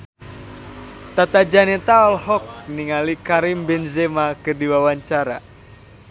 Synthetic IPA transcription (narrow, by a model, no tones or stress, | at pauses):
t̪at̪ad͡ʒanɛt̪aɔlhɔk̚niŋalikaɾimbɛnzɛmakɨrdiwawaɲt͡ʃaɾa̰